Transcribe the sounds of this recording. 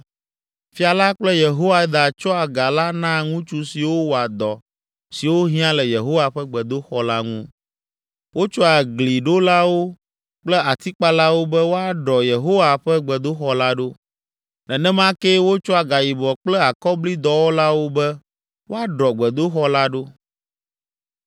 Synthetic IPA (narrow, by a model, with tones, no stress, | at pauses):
fi˨a˨la˦k͡plɛ˦je˨ɦo˦wa˦d̪a˨t͡ʃɔ˦a˨ɡa˨la˦nã˦˨ŋũ˦t͡ʃu˦si˨wo˦wo˨a˨d̪ɔ˨ | si˨wo˦ɦĩ˦ã˦lɛ˨je˨ɦo˦wa˨ɸɛ˦ɡ͡bɛ˨d̪o˦xɔ˦la˦ŋũ˦ | wo˦t͡ʃɔ˦a˨ɡli˨ɖo˦la˦wo˦ | k͡plɛ˦a˨t̪i˦k͡pa˦la˦wo˦bɛ˦wo˦a˦ɖɔ˨je˨ɦo˦wa˨ɸɛ˦ɡ͡bɛ˨d̪o˦xɔ˦la˦ɖo˦ | nɛ˨nɛ̃˦mã˦ke˦wo˦t͡ʃɔ˦a˨ɡa˨ji˨bɔ˨k͡plɛ˦a˨kɔ˦bli˦d̪ɔ˦wo˦la˦wo˦bɛ˦ | wo˦a˦ɖɔ˨ɡ͡bɛ˨d̪o˦xɔ˦la˦ɖo˦